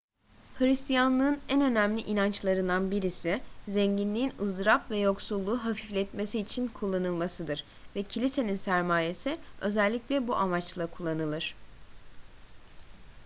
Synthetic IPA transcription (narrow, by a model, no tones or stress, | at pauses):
hɯɾist̪ʰijanlˠɯːnænø̞næmlʲiʔinant͡ʃlˠaɾɯnd̪anbiɾisizɛɲɟinlʲiːnɯzɾapvɛjo̞ksulˠːuːɦafiflʲɛt̪me̞siːt͡ʃʰinkʰulˠːanɯlˠmasɯd̪ɯɾ̥ | vɛcʰilʲise̞ninsæɾmaːje̞siø̞zɛlʲːiclʲɛbuʔamat͡ʃlˠakʰulˠːanɯlˠɯɾ̝̥